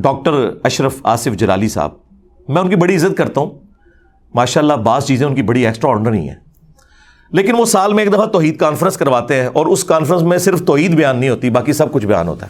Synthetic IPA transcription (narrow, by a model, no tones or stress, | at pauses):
ɖɔːk̚ʈəɾɐʃɾəfa̰ːsɪfd͡ʒɐla̰ːlisa̰ːb̚ | mɛ̃ːʊnkibɐɽiɪzːət̪̚kɐɾt̪aɦũː | maːʃaːlːabaːzt͡ʃiːzẽʊnkibɐɽiɛːksʈɾaɔːɖəɾnḭ̃ɦɛ̰̃ː | leːkɪnʋosaːlmẽeːkd̪ɐfat̪ɔːɦiːd̪̚kaːnfɾə̃nskɐɾʋaːt̪eɦɛ̃ːʔɔːɾʊskaːnfɾə̃ns̬mẽsɪɾft̪ɔːɦiːd̪bɐjaːnːəɦĩɦoːt̪ibaːkisɐb̚kʊt͡ʃʰbɐja̰ːnɦo̰ːt̪aɦɛː